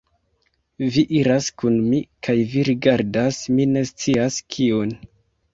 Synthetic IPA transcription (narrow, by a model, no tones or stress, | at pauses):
viʔiɾaskunmikʰajviɾiɡaɾdasmine̞st͡siaskʰion